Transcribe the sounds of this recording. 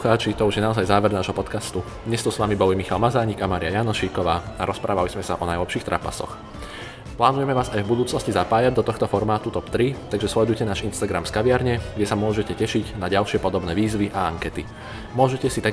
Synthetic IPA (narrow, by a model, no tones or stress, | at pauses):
xaːt͡ʃit̪ɔuʒjɛnaɔzajzaːʋɛɾnaːʒɦɔpɔt̪kast̪u | d̪ɲɛst̪ɔsʋamibɔʋijmixalmazaːɲiɡamaːɾijajaːnɔʃiːkɔʋaːaɾɔspɾaːʋalizmɛsaʔɔnajlɛpʃiːxt̪ɾa̰pa̰sɔ̰x | plaːnujɛmɛʋaːzajvbud̪uːt͡snɔscizapaːjaɟ̚d̪ɔt̪ɔxt̪ɔfɔɾmaːt̪ut̪ɔpt̪ɾit̪aɡʒɛslɛd̪ujcɛnaːʒinst̪aɡɾa̰mskaʋɪaɾɲɛɡɟɛsamʊɔʒɛcɛcɛʃiɟnaɟalʃɪɛpɔd̪ɔbnɛːʋiːzʋiʔaaŋkɛt̪i | mʊɔʒɛcɛsit̪a